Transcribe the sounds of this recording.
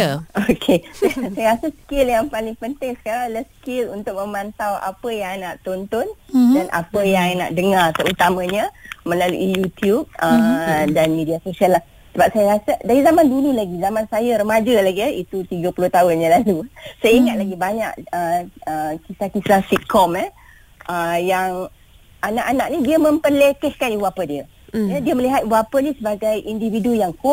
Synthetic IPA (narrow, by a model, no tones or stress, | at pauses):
okʰesasajaɾasəskɪljaŋpalɪŋpənt̪ɪŋskalaskɪlunt̪ʊk̚mə̃mãnt̪awʔa̰pəjaŋnaʔt̪ont̪ɔndanʔa̰pəjaŋna̰ʔdəŋart̪əɾut̪amãɲamə̃lalṵʔijut̪jub̚ədanmidiasosialah | səbap̚sajaɾasadaɾizamandululaɡizamãnsajaɾəmãd͡ʒəlaɡiəit̪ut̪iɡəpuloht̪aʊnɲãlalusajəiŋat̪̚laɡibaɲaʔəəkisakisasit̪̚kɔma | ʔəjaŋ | anaʔanaʔ̚nidiəmə̃mpərlekɛhkaniwapədiə | jədiəməliɦat̪wapənisəbaɡajʔindividujaŋko